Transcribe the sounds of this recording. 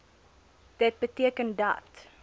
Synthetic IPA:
d̥ət̚bətiəkəndɐ̰t

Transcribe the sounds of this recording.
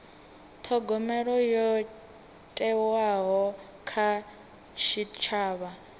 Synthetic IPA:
t̪ʰɔɡɔmɛɺɔjɔ | tʼɛwaɦɔ | kʰa | ʃit͡ʃʰaːβa

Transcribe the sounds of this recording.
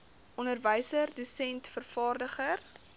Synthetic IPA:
ʔɔnərvəjsərdusɛntfərfɑːrdəχər

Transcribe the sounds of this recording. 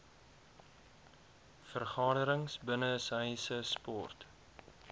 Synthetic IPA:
fərχɑːɾəɾəŋsbənəsəjsəspɔ̰rt

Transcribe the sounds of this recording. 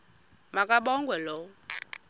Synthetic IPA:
makʼaɓɔŋɡwɛlɔ

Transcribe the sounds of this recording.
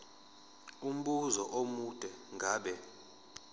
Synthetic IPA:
um̩ɓuzɔʔomud̥ʼʱɛŋɡʱaːɓɛ

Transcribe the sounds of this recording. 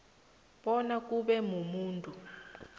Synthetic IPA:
ɓɔnak̬ʼuɓɛmumuːntʼu

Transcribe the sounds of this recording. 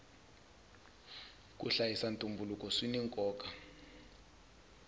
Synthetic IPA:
k̬ʼuɬajisantʼumbʱulukʼɔswiniŋkʼɔːkʼa

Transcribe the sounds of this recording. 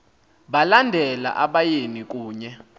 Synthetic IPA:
ɓalandʱɛla̰ʔaɓajenik̬ʼuːɲɛ

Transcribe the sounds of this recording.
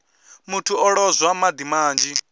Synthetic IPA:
mutʰuɔɺɔzwamad̪imaːnd͡ʒi

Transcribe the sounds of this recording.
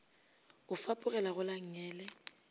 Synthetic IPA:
ʊfapʼʊɣɛlaɣʊlaŋ̩ɲɛːlɛ

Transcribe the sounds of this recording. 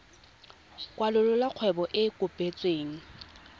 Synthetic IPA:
kʼwalʊlʊlaq͡χʰwɛbɔʔɪkʼʊpʼet͡sʼweːŋ̩

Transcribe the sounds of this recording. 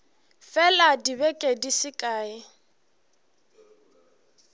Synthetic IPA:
fɛladibɛkʼedisɪkʼaːɪ

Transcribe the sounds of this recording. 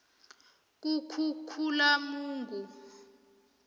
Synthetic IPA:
k̬ukʰukʰulamuːŋɡʱu

